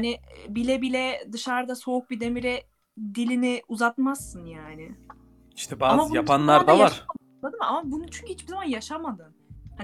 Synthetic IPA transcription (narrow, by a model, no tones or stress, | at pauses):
janɪbilʲɛbilʲɛd̪ɯʃaɾd̪aso̞uk̚bid̪e̞miɾɛ | d̪ilʲiniuzat̪mazːɯnjaːnɪ | i̥ʃt̪ʰɛbaːamajapʰanlˠaɾd̪avaʃɾa | lˠad̪ɯmamabunut͡ʃʰyɲcʰyhit͡ʃb̥izamanjaʃamad̪ɯn | ha